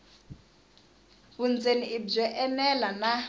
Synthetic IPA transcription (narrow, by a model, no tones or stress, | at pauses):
βund͡zeniib͡ʐɛʔɛmɛlana